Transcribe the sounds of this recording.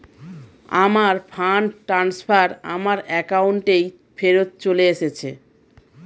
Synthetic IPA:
amaɾpʰanʈɾansbʰʱaɾa̰maɾɛkauɳʈej | feɾot̪̚t͡ɕoleeʃet͡ɕʰḛ

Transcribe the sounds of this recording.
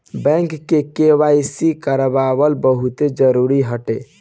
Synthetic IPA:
bɛ̃ŋkːekeʋajsikəɾbabəlbəɦut̪ed͡ʒəɾuɾiɦəʈe

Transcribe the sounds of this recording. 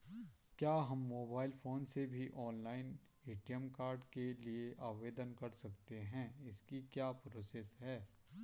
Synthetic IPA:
kjaːɦɐmːoːbaːɪlfʰoːnsebʱiʔɔːnlaːɪn | iːʈijəmkaːɾɖkelieʔaːʋeːd̪ənkɐɾsɐkt̪eɦɛ̃ːɪskikjaːpɾoːsesɦɛː

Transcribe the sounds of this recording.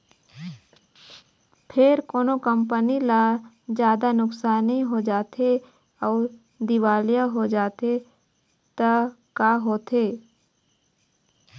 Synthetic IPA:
pʰɪɾkoːnokəmpənilaː | d͡ʒjaːd̪anʊksaːniɦod͡ʒaːt̪ʰe | ɔːɾ | d̪ɪʋaːljaɦod͡ʒaːt̪e | t̪ə | kaːɦoːt̪ʰeː

